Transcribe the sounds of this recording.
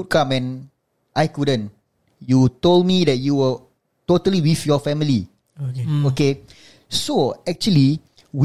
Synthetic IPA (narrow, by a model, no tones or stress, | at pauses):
ut̚kãmɛ̃n | ʔajkudə̃n | jutoldmidɛt̚juwə | totəliwifjɔfɛmili | ooke | soɛk̚t͡ʃuəli | w